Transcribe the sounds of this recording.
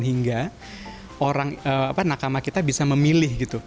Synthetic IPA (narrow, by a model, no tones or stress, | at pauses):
nɦiŋɡa | ʔoɾaŋəːapanakamakit̪abisaməmilɪhɡit̪u